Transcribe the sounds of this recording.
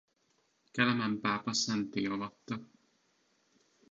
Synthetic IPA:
kɛlɛmɛmpaːpɒsɛnt̪eːɒlɒt̪ːɒ

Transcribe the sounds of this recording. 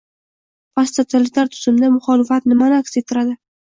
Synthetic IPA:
past̪ʰot̪ʰalɪt̪aɾt̪ʰʊ̥z̥ɪmd̪amʊχɒlɪfat̪nɪmanɪakʲset̪ʰːɪɾad̪ɪ

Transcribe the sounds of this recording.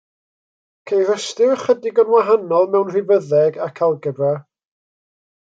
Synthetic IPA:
kʰejrəstɪrχədɪɡənwaɦanɔlˠmɛwnr̥ɪvəðɛɡakʰalˠɡəbra

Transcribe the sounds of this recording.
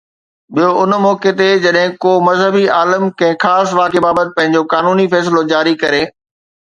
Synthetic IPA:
ɓijoʊnmɔːket̪̬ed͡ʑɐɗɦɪ̃koːmɐzɦəbiaːləmkɐ̃ɪ̃xaːsʋaːkebaːbət̪ɪ̥̆pɐ̃ɦɪ̃ɲ̆d͡ʑokaːnuːnifɛːs̬lod͡ʑaːɾikɐɾeː

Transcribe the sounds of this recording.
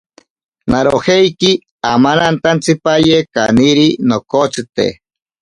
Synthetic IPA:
naɾoheiki | amanant̪ant͡sipajeka̰niɾinokot͡sit̪ḛ

